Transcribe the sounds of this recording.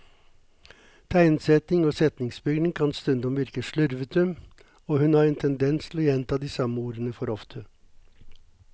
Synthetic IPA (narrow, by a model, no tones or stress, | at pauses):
t̪ʰæɪnsɛt̪ɪŋoːsɛt̪nɪŋsbʏɡnɪŋkʰɑnst̪ʉnd̪ɔmʋɪɾkəʂɭʉɾʋət̪ʰʉm | oːhʉnhɑːɾɛːnt̪ʰɛnd̪ɛnst̪ʰɪlɔːjɛnt̪ʰɑːd̪iːsɑməuːɾənəfɔɾɔft̪ʰə